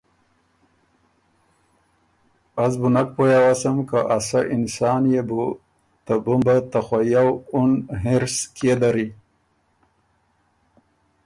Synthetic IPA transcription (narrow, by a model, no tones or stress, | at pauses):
azbunak̚pojawasamkaʔasaʔɪnsɑːnjebu | t̪abumbat̪axajawunɦeɾskʰed̪aɾi